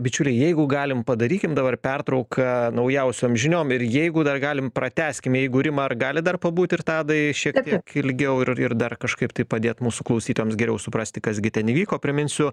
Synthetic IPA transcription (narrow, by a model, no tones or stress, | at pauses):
bʲɪt͡ʃʲʊlʲɛɪjɛɪɡʊɡɑːlʲɪmpɐd̪ɐɾʲiːkʲɪmd̪ɐbɐrpʲɛrt̪ɾɐʊkʰɐnɐʊjɛʊsʲoːmʒʲɪnʲoːmɪrjɛɪɡʊd̪ɐrɡɑːlʲɪmpɾɐt̪ʲæːsʲkʲɪmjɛɪɡʊɾʲɪmɐɐrɡɑːlʲɪd̪ɐrpɐbuːt̪ʲɪrt̪ɑːd̪ɐɪʃʲiɛk̪ʲiɛkɪlʲɡʲɛʊɪrɪrd̪ɐrkɐʃkɐɪpt̪ɐɪpɐd̪ʲeːt̪muːsʊklˠɐʊsʲiːt̪ojoːmsɡʲɛɾʲɛʊsʊpɾɑsʲt̪ʲɪkɐsɡʲɪt̪ʲɛnɪʋʲiːkoːpʲɾʲɪmʲɪnʲsʲʊ